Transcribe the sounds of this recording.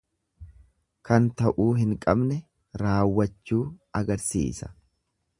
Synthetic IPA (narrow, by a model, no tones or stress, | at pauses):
kɐnt̪ɐʔuːɦɪŋkʼɐbnɛ | ɾaːwːɐt͡ʃːuːɐɡɐɾsḭːsɐ̥